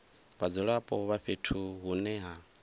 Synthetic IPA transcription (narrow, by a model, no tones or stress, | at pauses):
βad͡zɔɺapʼɔβaɸetʰuɦunɛɦa